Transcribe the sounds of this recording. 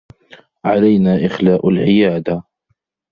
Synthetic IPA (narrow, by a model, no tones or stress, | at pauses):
ʕalajnaːʔɪxlaːʔʊlʕɪjaːd̪a